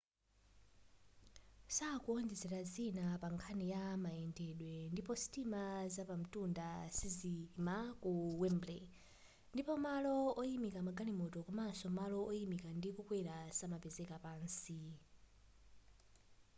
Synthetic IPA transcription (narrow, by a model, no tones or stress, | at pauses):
sakuɔnd͡ʒɛzɛɾazinapaŋkʰanijamaɛndɛɗwɛndipɔsi̥timazapam̩tundasizimakuwɛmblɛ | ndipɔmalɔɔjimikamaɡalimɔtɔkɔmansɔmalɔɔjimikandikukwɛɾasamapɛzɛkapaːnsi